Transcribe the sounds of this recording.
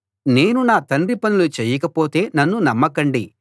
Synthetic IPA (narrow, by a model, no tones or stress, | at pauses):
ne̞ːnunaːt̪ɐnripɐnulut͡ʃeːjːɐkɐpoːt̪e̞ːnɐnːunɐmːɐkɐɳɖi